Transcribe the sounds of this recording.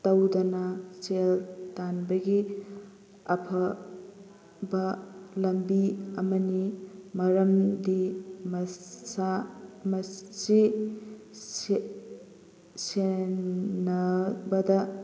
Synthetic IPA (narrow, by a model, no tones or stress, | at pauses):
tɐwdɐnɐseltanbɐɡi | ɐpʰɐ | bɐlɐmbiɐmɐnimɐɾɐmdimsamɐsi | se | nɐbɐdɐ